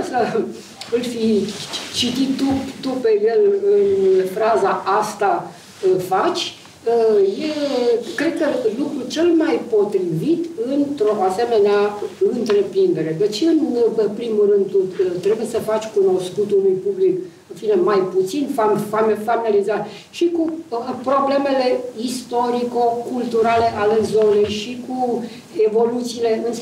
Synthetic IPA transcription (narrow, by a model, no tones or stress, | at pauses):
sə | ɨlfi | t͡ʃit̪it̪t̪ːut̪upejelɨnfɾazaʔast̪a | fat͡ʃʲ | əje̞kɾe̞d̪̚kəlukɾut͡ʃe̞lmajpo̞t̪ɾivit̪ɨnt̪ɾo̞ʔase̞me̞neaɨnt̪ɾe̞pɾind̪e̞ɾe̞d̪e̞t͡ʃeɨnepɾimuɾɨnd̪̚t̪ut̪t̪ːɾe̞bujesəfat͡ʃʲkuno̞skut̪ulujpublik | ɨnfine̞majput̪sinfamfamfaminalizaɾ | ʃikuəpɾo̞ble̞me̞le̞ist̪o̞ɾikokult̪uɾale̞ʔalezo̞ne̞jʃiku | evo̞lut̪siːle̞ɨn